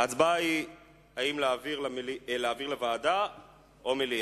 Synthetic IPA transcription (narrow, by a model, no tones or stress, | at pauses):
at͡sbai | aimleaviʁlelileaːviʁlevaːda | ʔomeli